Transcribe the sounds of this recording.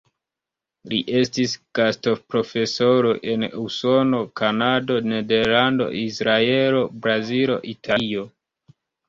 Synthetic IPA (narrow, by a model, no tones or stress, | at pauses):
liʔe̞stisɡ̥asto̞pɾo̞fe̞so̞ɾo̞ʔe̞nuso̞no̞kanado̞ne̞de̞ɾlando̞̰ʔisɾae̞lo̞bɾazilo̞̰ʔitʰaio̞